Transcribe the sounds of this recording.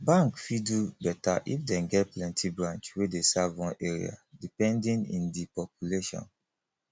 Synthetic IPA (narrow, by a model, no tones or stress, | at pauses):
bãŋkfidubɛta̰ʔifdɛ̃nɡɛtplɛ̃ntʰibɹãnt͡ʃwedesavwɔ̃nʔeɹḭa̰dipɛ̃ndĩnḭ̃ndipɔpjuleʃɔ̰̃n